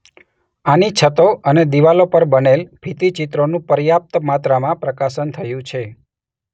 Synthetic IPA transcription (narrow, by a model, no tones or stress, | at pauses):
anit͡ʃʰət̪oʔəned̪iʋalopəɾbənelbʱit̪it͡ʃit̪ɾonũpəɾjap̚t̪mat̪ɾamãpɾəkaʃənt̪ʰəjũt͡ʃʰe